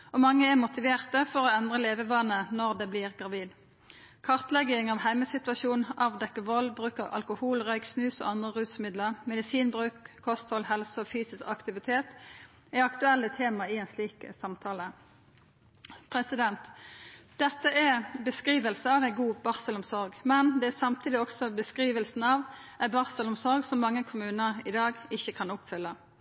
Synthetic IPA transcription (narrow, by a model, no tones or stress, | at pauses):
ɔmɑŋːəɛmʊt̪ɪʋeːʁt̪əfɔʁoːɛnd̪ʁəleːʋəʋɑnːənɔʁd̪ɛbliːʁɡʁɑʋiːd̪ | kʰɑʁt̪lɛɡɪŋɑːʋhæɪməsɪt̪ʉɑʃuːnɑʋd̪ɛkːəʋɔlbʁʉːkɑʋʔɑ̰lkʊhuːlʁœʏksnʉːso̰ːɑnd̪ʁəʁʉːt̪smɪd̪ləʁmɛd̪ɪsiːnbʁʉːkʰːɔst̪hɔlɦɛlsəɔfyːsɪskɑkt̪ɪʋɪt̪ʰeːt̪ | ɪɑkt̪ʉɛlːət̪ʰeːmɑɪæɪnsliːkə̰sɑmt̪ʰɑːlə | pʰɾɛsɪd̪ɛnt̪d̪̥ɛt̪ːəʔɛbəskʁiːʋəlsəɑːʋæɪɡuːb̥ɑʁsəlʊmsɔʁɡmɛnd̪ɛæsɑmt̪ʰiːd̪ɪɔksɔbəskʁiːʋəlsn̩ɑʋ | æɪbɑʁsəlʊmsɔʁɡsɔmːɑŋːəkʰʊmʉːnəʁɪd̪ɑːɡɪçːəkʰɑnʊpfʏlːə